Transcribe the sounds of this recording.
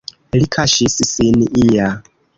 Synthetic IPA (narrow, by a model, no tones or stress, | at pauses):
likʰaʃisisiniʔija